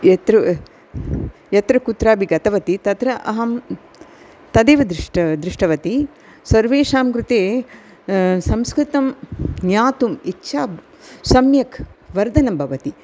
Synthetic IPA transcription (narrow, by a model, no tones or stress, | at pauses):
jɐt̪ɾ | jɐt̪ɾɐkut̪ɾaːbʱiɡɐt̪ɐʋɐt̪it̪ɐt̪ɾɐʔɐɦɐm | t̪ɐd̪eːʋɐd̪ɾɪʈd̪ɾɪʂʈɐʋɐt̪i | sɐɾʋeːʃaːmkɾut̪eː | sɐmskɾɪt̪ɐmnjaːt̪umitːʃʰaː | sɐmjɐkʋɐɾd̪ʱɐnɐmbʱɐʋɐt̪i